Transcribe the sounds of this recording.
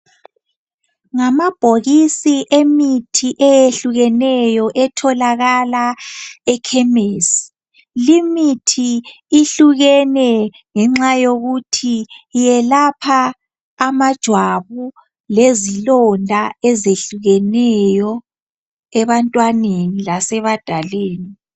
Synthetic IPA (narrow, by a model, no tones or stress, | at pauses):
ŋamab̥ʱoɣisiʔemitʰiʔɛjeɬuɣɛnɛjɔʔɛtʰɔlaɣalaɛkʰɛmeːsi̥ | limitʰiː | ɬuɣɛnɛ | ŋɛŋ͡ǁajoɣutʰijɛlapʰaː | mad̥ʒ̥ʱwaβu | lezilɔndʱaɛzeɬuɣɛnɛjɔ | ɛβantʼwanenilasɛβad̥ʱaleːni